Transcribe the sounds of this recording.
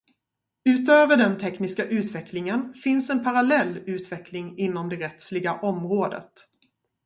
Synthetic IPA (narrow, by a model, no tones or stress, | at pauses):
ʉ̟ːt̪øːvəɖɛnt̪ʰɛknɪskaʔʉ̟ːt̪vɛklɪŋənfɪnsɛnpʰaɾalɛlːʉ̟ːt̪vɛklɪŋɪnːɔmd̪ɛɾɛt̪slɪɡaʔɔmɾoːd̪ə̰t̪